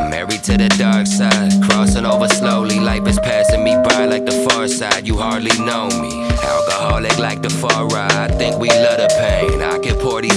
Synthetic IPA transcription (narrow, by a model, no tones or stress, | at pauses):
mɛ̰ɹid̚tʰɨðɨdɑɹksaɪd̚kʰɹ̥ɔsɪ̃ŋoʊvə˞sloʊlilaɪk̚ɨspʰæsɪ̃ŋmibʰaɪlaɪk̚ðəfɑɹsaɪd͡ʒjɨhɑɹdˡlinoʊmḭ | a̰ɪlˠɡəhɑlɪklaɪk̚ðəfɑɹɹaɪaɪθɪ̃ŋkwilʌɾɨpʰẽɪ̃na̰ɪkɨpʰɔɹɾi